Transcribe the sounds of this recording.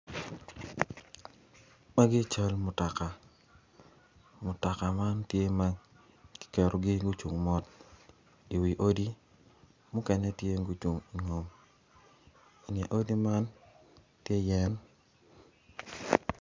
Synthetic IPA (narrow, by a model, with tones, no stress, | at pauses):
ma˦ɡɪ˦t͡ʃa˦lmʊ˨ta˨ka˨ | mʊ˨ta˨ka˨ma˦ntje˦ma˦ | kɪ̥˦kɛ˨ɾo˨ɡɪ˦ɡu˦t͡ʃu˨ŋmɔ˦t | i˨wi˨ʔo˦di˦ | mʊ˦kɛ˦nɛ˦tje˦ɡu˦t͡ʃu˨ŋi˨ŋo˨m | i˨nɛ˨ʔo˦di˦ma˦n | tje˦jɛ˦n